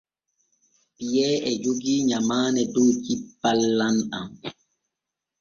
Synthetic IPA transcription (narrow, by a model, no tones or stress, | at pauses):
pijɛːɛd͡ʒoɡiːɲamaːnɛdɔt͡ʃipːalːana̰m